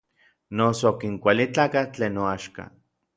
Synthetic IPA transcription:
nosokiŋkʷalit͡ɬaːkat͡ɬeːnoaʃka̰

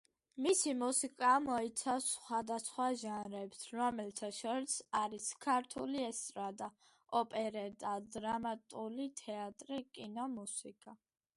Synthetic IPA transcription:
misimusikʼamɔit̪sʰafsχwad̪asχwaʒanɾɛbsʰɾɔmɛlt̪ʰaʃɔɾisaɾiskʰaɾt̪ʰuliɛst̪ʼɾad̪a | ɔpʼɛɾɛd̪ad̪ɾamat̪ʼulit̪ʰɛat̪ʼɾikʼinɔmusikʼa

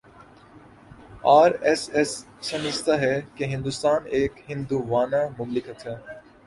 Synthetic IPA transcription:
aːɾɛsɛsː | ɐmɪst̪aɦɛkeɦɪ̃nd̪ust̪aːneːkɦɪ̃nd̪uːʋaːnamʊmlɪkət̪ʰɦɛː

